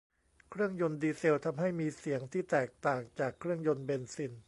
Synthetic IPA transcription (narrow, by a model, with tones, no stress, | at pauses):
kʰɾɯ˥˩əŋjo˧ndiː˧se˧wt̪ʰa˧mɦa˥˩jmiː˧si˩˦əŋt̪ʰiː˥˩t̪ɛː˨˩k̚t̪aː˨˩ŋt͡ɕaː˨˩kʰːɾɯ˥˩əŋjo˧nbe˧nsi˧n